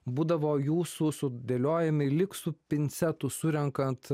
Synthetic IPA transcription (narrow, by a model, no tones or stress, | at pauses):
buːd̪ɐʋoːjuːsusʊd̪ʲeːlʲoːjɛmʲɪlʲɪksʊpʲɪnʲt̪sʲɛt̪ʊsʊɾʲɛŋkɐnt̪